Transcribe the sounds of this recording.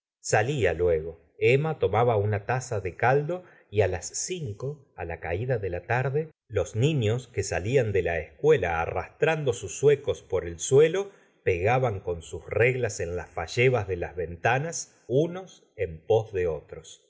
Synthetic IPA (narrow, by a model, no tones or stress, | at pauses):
salialwe̞ɣo̞ | emat̪o̞maβaunat̪asaðekald̪o̞ | ialasːiŋko̞ | a̰lakaiðaðelat̪aɾðe | lo̞sniɲo̞skesaliand̪elaehskwe̞la̰ːra̰st̪ɾand̪o̞susːwekospo̞ɾelswe̞lo̞ | peɣaβaŋko̞nsusreɣlase̞nlasfaʒeβazðelazβe̞nt̪anas | unos | empo̞zðeot̪ɾos